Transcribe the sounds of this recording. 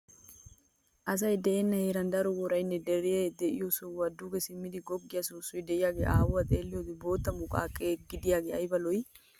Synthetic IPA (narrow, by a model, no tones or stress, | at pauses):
ʔɐs̬ɐjd̪ɛʔeːnːɐheːɾɐnd̪ɐɾɔwɔɾɐjnːɛd̪ɛɾɪjeːd̪ɛʔɪ̰jɔsʊwɐd̪uːɡɛsɪmːɪd̪ɪɡɔɡːɪjɐsuːsːɔjd̪ɛʔɪjaːɡḛːʔaːwʊɐt̪ʼeːlːɪjot̪ɪbo̞ːt̪ːɐmʊkʼa̰ːkʼːeːɡɪd̪ɪjaːɡeɐjbɐlɔj